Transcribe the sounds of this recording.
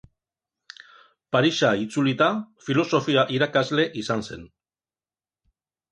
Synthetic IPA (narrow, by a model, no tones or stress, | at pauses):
paɾiʃait͡sulit̪afilo̞so̞fiaʔiɾakazle̞ʔisanse̞n